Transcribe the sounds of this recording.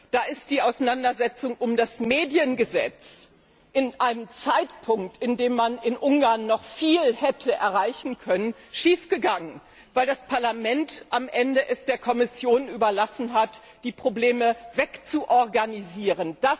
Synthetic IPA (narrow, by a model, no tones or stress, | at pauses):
d̥aːʔɪstd̥iːaʊsanandɐzɛt͡sʊŋʔʊmdasmeːdjənɡəzɛ̰t͡s | ʔɪnʔaɪnəmt͡saɪtpʰʊŋk̚tɪndeːmːanɪnʔʊŋɡaɐnːɔχfiːlhɛtʰəʔɛɐʁ̞aɪçn̩kʰœnən | ʃiːfɡ̥əɡaŋən | vaɪldaspʰaɐlamɛntʔamʔɛndəʔɛsd̥eːɐkʰɔmɪsjoːnʔyːbɐlasn̩ɦat | d̥iːpʁ̥obleːməvɛkt͡suʔɔɐɡaniziːʁənd̥as